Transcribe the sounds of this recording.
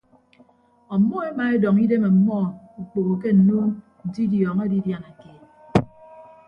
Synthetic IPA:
ɔ˨˦mɔ˦e˦ma˨e˦dɔ˨ŋi˦de˦me˨m̩˨mɔ˦ | u˨k͡po˨ɣo˨k̬e˦n̩˨nu˦ | n̩˨di˦djɔː˨ŋa˦di˦dja˨na˨ke˨

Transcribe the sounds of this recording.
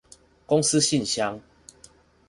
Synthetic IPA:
ko˦ŋsɨ˦ɕi˥˨nɕja˧˦ŋ

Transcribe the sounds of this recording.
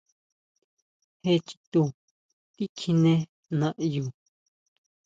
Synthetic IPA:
he˧t͡ʃi̥˧t̪u˧ | t̪i˦kʰi˧nẽ˧ | nã˧ʔju˨

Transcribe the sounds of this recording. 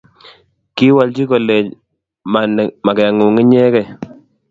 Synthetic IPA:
ki˦wa˨lt͡ʃi˦kɔ˨le˨ | ma˨nma˨kɛ˨a˨ŋu˨ŋi˦ɲɛ˦kɛ˦˨

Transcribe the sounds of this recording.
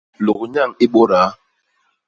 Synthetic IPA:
lo˨ɣɲa˦˨ŋi˦ɓo˦ɾaː˨˦

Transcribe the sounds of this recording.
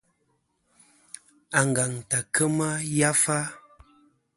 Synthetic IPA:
a˨ŋ˨ɡa˨ŋta˨kə˦ma˦ja˦fa˦

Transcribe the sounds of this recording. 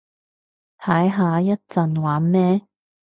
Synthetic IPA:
t̪ʰɐ˨˥jɦaː˨˧jɐ˥t̚t͡sɐ˨nwaː˨˥nmɛː˥

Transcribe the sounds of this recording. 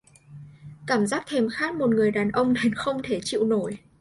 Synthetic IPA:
kaː˧˩mzaː˦˥k̚t̪ʰe˧mxaː˦˥k̚mo˨˩t̚ŋɨ˨˩əjɗaː˨˩nʔə˧wŋ͡mne˧nxə˧wŋ͡mt̪ʰe˧˩t͡ɕḭ˧˨wno˧˩j

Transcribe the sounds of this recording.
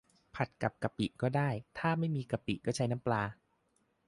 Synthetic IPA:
pʰa˨˩t̪̚ka˨˩p̚ka˧pi˨˩ʔkɔː˥˩daː˥˩jt̪ʰaː˥˩ma˥˩jmiː˧ka˧pi˨˩kɔː˥˩t͡ɕʰa˦˥jna˦˥mplaː˧

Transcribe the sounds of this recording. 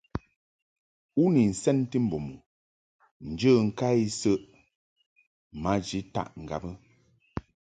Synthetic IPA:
u˦ni˨n̩˨sɛ˦n˦ti˦m̩˨bo˨mu˨ | n̩˨d͡ʒə˦˨ŋ̩˨ka˦i˦sə˦ʔ | ma˨˦d͡ʒi˨˦ta̰˦˨ʔŋ̩˨ɡa̰˨bə˦

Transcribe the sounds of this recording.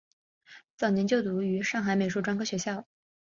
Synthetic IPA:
t͡sɑ˨˩ʊnjɛ˧˥nt͡ɕjo˥˩ʊt̪u˧˥y˧˥ʂɑ˥˩ŋxa˨˥ɪme˨˩ɪu˥˩ʈ͡ʂwa˥nkʰɤ˥˩ɕɥɛ˧˥ɕjɑ˥˩ʊ

